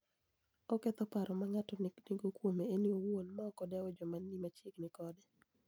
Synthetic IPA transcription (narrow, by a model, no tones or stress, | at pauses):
ɔkɛt̪ɔpaɾɔmaŋatɔniɡokwomeeniowonmaɔkɔdɛɔd͡ʒɔmanːimat͡ʃiknɪkɔdɛ